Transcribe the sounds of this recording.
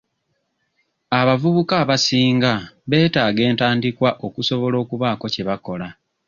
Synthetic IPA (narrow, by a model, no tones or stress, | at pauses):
aβavuβukaːβasiːŋɡaβe̞ːtaːɡe̞ːntaːndikwaʔo̞kuso̞βo̞lo̞ːkuβaːko̞ceβako̞la